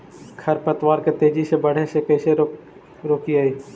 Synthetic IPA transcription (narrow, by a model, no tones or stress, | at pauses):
kʰɐɾpət̪ʋaːɾket̪eːd͡ʒisebəɽ̤esekɐːse | ɾoːkiaːiː